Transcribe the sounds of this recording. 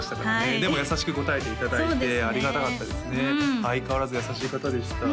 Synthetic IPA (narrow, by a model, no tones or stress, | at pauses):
ɕi̥t̪akaɾane̞d̪e̞mo̞jasaɕi̥kɯ̟ko̞t̪ae̞t̪e̞it̪ad̪aoit̪e̞aɾʲiɡat̪akat̪ːad̪e̞sɨne̞aikaβaɾazɨjasaɕiːkat̪ad̪e̞ɕk̪a